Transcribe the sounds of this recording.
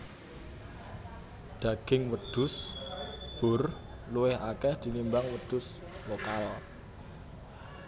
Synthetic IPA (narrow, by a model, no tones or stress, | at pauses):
d̪̥ä̤ɡ̥ɪŋwəd̪̥ʊ̤s | b̥ʊ̤r | luwɪhakɛhd̪̥i̤ŋimbaŋwəd̪̥ʊ̤s | wokal